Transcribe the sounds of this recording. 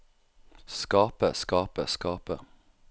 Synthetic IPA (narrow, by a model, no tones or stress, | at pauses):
skɑːpəskɑːpəskɑːpə